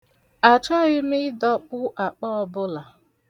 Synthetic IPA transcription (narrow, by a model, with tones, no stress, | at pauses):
a˨t͡ʃɔ˦ɣɪ˦mɪ˦dɔ˦k͡pʊ˦ʔa˨k͡pɔ˦ɔ˦bʊ˦la˨